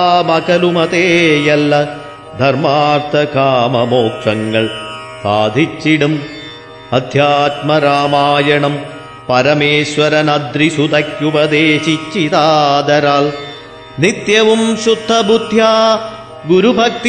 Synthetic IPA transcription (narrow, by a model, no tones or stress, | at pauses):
mɐkɐlumɐt̪eːjɐlːɐ | d̪ʱɐɾmaːɾt̪ʰɐkaːmɐmoːkʂɐŋɡɐɭ | saːd̪ʱit͡ʃːiɽum | ɐd̪ʱjaːt̪mɐɾaːmaːjɐɳɐm | pɐɾɐmeːʃʋɐɾɐnɐd̪ɾisud̪ɐkjupɐd̪eːʃit͡ʃːit̪aːd̪ɐɾaːl | nit̪jɐʋumʃud̪ʱːɐbud̪ʱjaː | ɡuɾubʱɐk̚t̪i